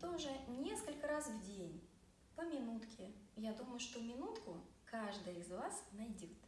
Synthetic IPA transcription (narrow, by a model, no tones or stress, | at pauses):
t̪oʐɨnʲe̞skəlʲkəɾasvdʲenʲ | pəmʲɪnut̪kʲɪjad̪uməjʊʂt̪omʲɪnut̪kʊ | kaʐd̪əjəɪzvasnɐjdʲot̪